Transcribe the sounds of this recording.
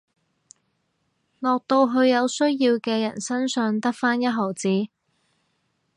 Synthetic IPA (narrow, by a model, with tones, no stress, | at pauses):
lɔː˨k̚t̪o˧wɦɵ˧ɥjɐ˨˧wsɵ˥ɥjiː˧wkɛː˧jɐ̰˨˩nsɐ˥nsœː˨˧ŋt̪ɐ˥k̚faː˥njɐ˥t̚ɦɔː˨˩wt͡siː˨˥